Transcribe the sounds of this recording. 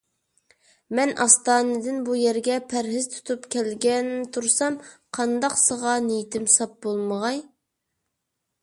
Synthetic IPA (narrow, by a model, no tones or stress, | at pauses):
mɛnʔɑst̪ɑːnɨd̪ɪnbujɛɾɡʲɛpʰæɾɦɪz̥t̪ʰu̥t̪ʰupkʲɛlɡʲɛnt̪ʰuɾsɑmqʰɑnd̪ɑqsəʁɑnejit̪ʰɪmsɑp̚bolˠməʁɑj